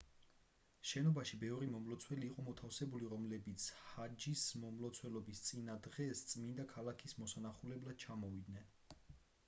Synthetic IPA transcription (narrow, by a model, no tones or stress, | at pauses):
ʃɛnɔbaʃibɛvɾimɔmlˠɔt̪sʰwɛliːqʼɔmɔt̪ʰafsɛbuliɾɔmlɛbit̪sʰhad͡ʒismɔmlˠɔt̪sʰwɛlɔbist̪sʼinad̪ʁɛst̪sʼmind̪akʰalˠakʰismɔsanaχulɛblad̪̥̚t͡ʃʰamɔvid̪nɛn